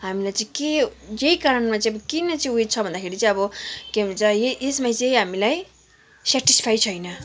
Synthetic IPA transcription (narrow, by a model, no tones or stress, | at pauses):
ɦamilajt͡sʌ̃ĩke | jeikaɾʌnmat͡sʌĩʌbʌkinʌt͡sʌj̃wet͡sʰʌbʱʌnd̪akʰeɾit͡sʌĩʌbʌkemt͡sajeesmajt͡sʌj̃ɦamilaj | saʈispʰajt͡sʰʌjnʌ